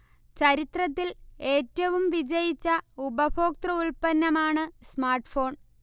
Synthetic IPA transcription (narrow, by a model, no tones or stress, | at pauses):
t͡ɕɐɾit̪rɐt̪̬ːileːtːɐʋumʋid͡ʑɐjit͡ɕːɐubɐbʰʱo̞ːk̚t̪rɐuɭpɐnːɐmaːɳɨsmaːrʈfo̞ːɳ